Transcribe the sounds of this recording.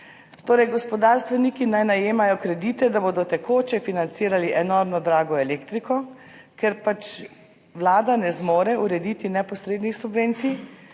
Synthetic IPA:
t̪oːɾɛjɡɔspɔd̪aɾst̪ʋɛnikinajnajeːmajɔkɾɛd̪iːt̪ɛd̪aboːd̪ɔt̪ɛkoːt͡ʃɛfinant̪siːɾaliʔɛnoɾmnɔd̪ɾaːɡɔɛleːkt̪ɾikɔ | kɛɾpat͡ʃ | ʋlaːd̪anɛzmoːɾɛuɾɛd̪iːt̪inɛpɔsɾeːd̪nixsubʋeːnt̪sij

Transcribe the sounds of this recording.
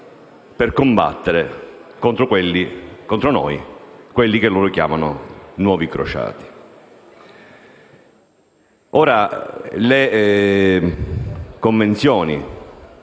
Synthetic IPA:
perkomba̰t̪ːeɾekont̪ɾokwelːikont̪ɾonɔ̰jkwelːikelːoːɾokja̰ːmanʊ̰nwɔːvikɾo̰t͡ʃa̰ːt̪i̥ | oːɾale | koɱvent̪sjɔːni

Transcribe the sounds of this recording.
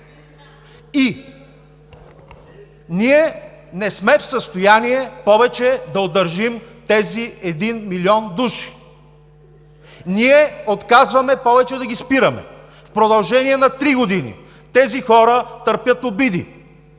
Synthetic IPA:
i | niɛ | nɛsmɛfsəst̪ojaniɛpɔvɛt͡ʃɛd̪ɐod̪ɐɾʒimt̪ɛziɛd̪inmiliɔnd̪uʃi̥ | niɛot̪kazvɐmɛpɔvɛt͡ʃɛd̪ɐɡispiɾɐmɛ̰ | fpɾod̪ɐlˠʒɛniɛnɐt̪ɾiɡod̪inḭ | t̪ɛzixɔɾət̪əɾpʲjət̪obid̪ḭ

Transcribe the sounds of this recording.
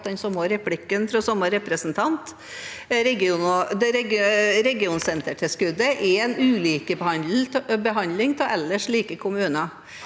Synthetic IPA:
d̪ɛnsɔmoɾɛpʰlɪkːənfɾɔsɔməɾɛpɾəsn̩t̪ʰɑnt̪ | ɾɛɡɪuːnɔd̪ɛɾɛɡɾɛɡɪuːnsɛnt̪əʈʰɪskʉd̪əʔɛɛnʉːliːkəbəhɑnd̪l̩bəɦɑnlɪŋt̪ʰɛlɛlːəʂɭiːkəkʰʊmʉːnə

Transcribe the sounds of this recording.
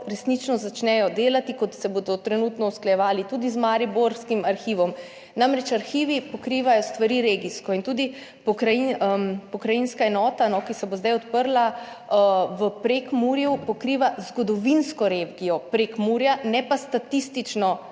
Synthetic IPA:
ɾɛsnit͡ʃnɔzat͡ʃnɛjɔd̪eːlat̪ikɔt̪sɛboːd̪ɔt̪ɾɛnut̪nɔusklajɛʋaːlit̪uːd̪izmaɾiboɾskimaɾxiːʋɔm | namɾɛt͡ʃaɾxiːʋipɔkɾiːʋajɔst̪ʋaɾiɾeːɡiskɔint̪uːd̪i | pɔkɾajinpɔkɾajinskaɛnɔːt̪anɔkisɛbozd̪ajɔt̪pəɾla | ʋəpɾekmuːɾjupɔkɾiːʋazɡɔd̪ɔʋinskɔɾeɡijɔpɾekmuːɾjanɛpast̪at̪ist̪it͡ʃnɔ

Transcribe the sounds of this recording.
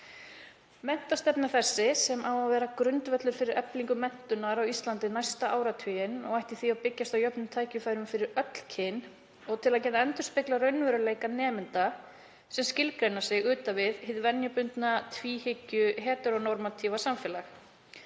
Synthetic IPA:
mɛn̥t̪ast̪ɛpnaθɛsːɪsɛmʔawavɛːɾakɾʏnt̪vɛt̪lʏfɪɾɪɾœpliŋkʏmɛn̥t̪ʏnaɾawist̪lant̪ɪnajst̪aʔaːwɾat̪ʰʏjɪnɔɣajht̪iθiawpɪcːast̪awjœpnʏmt̪ʰaːjcʏfajɾʏmfɪɾɪɾœt̪l̥cʰɪn | ɔɣt̪ʰɪlaðcɛːt̪aɛnt̪ʏ̥ɾ̥spɪklarœɥnvʏɾʏleːjkanɛːmɪnt̪a | sɛmscɪlkɾejnḁsjɛɣʏːt̪avɪðhɪðvɛnjʏpʏnt̪nat̪ʰviːhɪcːʏɦɛːt̪ʏɾɔɣnɔɾmat̪ʰivasamfɛːlax

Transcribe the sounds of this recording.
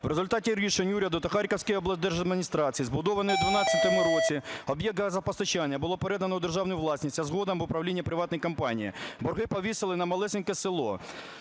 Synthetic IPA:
ʋɾezʊlʲt̪ɑtʲiɾʲiʃenʲuɾʲɛɐd̪ʊt̪ɐxɑɾʲkɐwsʲkɪjɔblˠɐsʲd̪ɛrʒɐd̪mʲinʲist̪ɾɑt͡sʲijizbʊd̪ɔʋɐnɔjud̪ʋʊnɑt͡sʲːɐt̪ɔmʊɾɔt͡sʲiɔbjɛk̪̚ɐzɐpɔst̪ɐt͡ʃɑnʲːɐbʊlˠɔpeɾɛd̪ɐnɔud̪e̞rʒɑwnʊjʊʋlˠɑsʲnʲisʲtʲɐzɦɔd̪ɐmʊpɾɐwlʲinʲːɐpɾɪʋɑt̪nɔjkɐmpɑnʲijḭbɔrɦɪpɔʋʲisɪlˠɪnɐmɐlˠɛsʲɪnkɛsɪlˠɔ

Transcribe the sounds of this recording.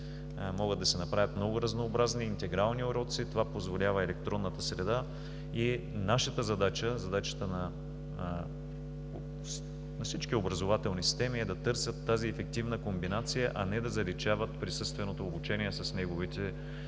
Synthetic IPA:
mɔɡəd̪ːɐsɛnɐpɾavʲət̪mnɔɡʊɾɐznoːbɾazniːnt̪ɛɡɾalˠnioɾɔt̪sit̪ovapozvolʲavəɛlɛk̚t̪ɾɔnːət̪əsɾɛd̪a | i | naʃət̪əzɐd̪at͡ʃəzɐd̪at͡ʃə̥t̪ənɐ | nɐfsit͡ʃkiobɾɐzovat̪ɛlˠnisi̥st̪ɛmiɛd̪ɐt̪ɤɾsʲət̪ːaziɛfɛk̚t̪ivnəkombinat̪sijəʔɐnɛd̪ɐzɐlit͡ʃavət̪̚pɾisɤst̪vɛnot̪oːbut͡ʃɛniɛsɐsnɛɡovit̪ɛ

